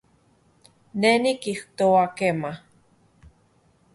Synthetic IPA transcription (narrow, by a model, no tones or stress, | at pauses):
nenikiht̪oakema